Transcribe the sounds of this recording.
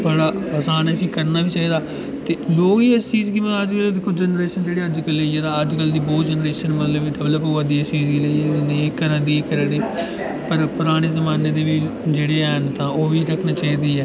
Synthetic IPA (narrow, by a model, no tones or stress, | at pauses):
bəɽaːəːsaːnɛːsĩːkəɾnaːʋiːt͡ʃaːɦiːd̪aː | t̪eːloːɡiɛst͡ʃiːzkimɛ̃ːəd͡ʒkəlːd̪ɪkʰːoːd͡ʒɛnɾeːʃənd͡ʒeːɽeːəd͡ʒkəleeːt̪ãːəd͡ʒkəld̪iːbɔːt̪d͡ʒɛnɾeːʃənmət̪ləbiɖəʋləpɦoːʋad̪iːɛst͡ʃiːzɡileniekəɾə̃ːd̪iːekəɾə̃ːd̪iː | pəɾpʊɾaːɽ̃eːzəmaːneːd̪eːʋiː | d͡ʒeːɽeːɛːɦənt̪ãːoːʋiːɾəkʰnaːt͡ʃaːɦiːd̪iːɛː